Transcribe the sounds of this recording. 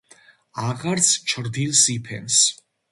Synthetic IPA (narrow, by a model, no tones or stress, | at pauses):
aʁaɾt̪sʰt͡ʃʰɾd̪ilsipʰɛ̰ns